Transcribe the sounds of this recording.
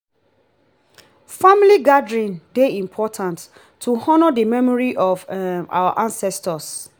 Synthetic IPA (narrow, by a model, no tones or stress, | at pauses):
familiɡadɹĩndeĩmpʰɔtʰãntʰː | uhɔnədəmɛmɔɹiʔɔva̰wa̰ʔãnsɛstɔs